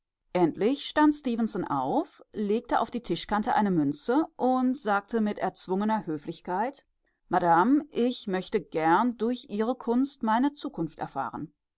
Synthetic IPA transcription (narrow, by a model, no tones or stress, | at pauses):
ʔɛntlɪçʃtantstiːvənsɔnʔa̰ʊfleːk̚təʔa̰ʊfd̥iːtʰɪʃkantəʔa̰ɪnəmʏnt͡səʔʊntz̥aːk̚tʰəmɪtʔɛɐt͡sv̥ʊŋənɐhøːflɪçkʰaɪt | madamʔɪçmœçtəɡɛɐndʊɐçʔiːʁ̞əkʰʊnstmaɪnət͡suːkʰʊnftʔɛ̰ɐfa̰ːʁ̞ə̰n